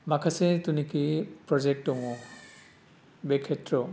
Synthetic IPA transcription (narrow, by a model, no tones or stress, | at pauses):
makʰasɛtunikipɹɔzɛk̚tɔŋɔ | bɛkʰːɛtɹɔ